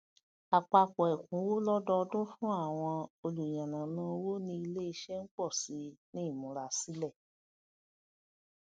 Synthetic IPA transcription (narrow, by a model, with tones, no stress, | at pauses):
a˨k͡pa˧k͡pɔ˨ɛ˨kũ˨˦wo˦lɔ˦dɔ˧dũ˦fũ˦a˦˨w̃ɔ̃˧o˧lu˨jã˨nã˨˦nã˧˦˧wo˦nĩ˧˦i˧le˦i˧ʃɛ˦n̩˦k͡pɔ˦˨si˨˦nĩ˦˨mũ˨˦ɾa˨si˨˦lɛ˦˨